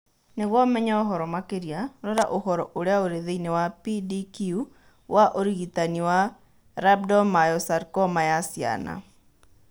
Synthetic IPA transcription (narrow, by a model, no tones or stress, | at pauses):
neɣwɔmɛɲaoɦɔɾɔmakeɾiaɾɔɾaʔohɔɾɔʔoɾeaoɾeðeinewapidikiu | wʔaʔoɾiɣitaniwa | ɾab̚dɔmajɔsaɾkɔmajasia̰na̰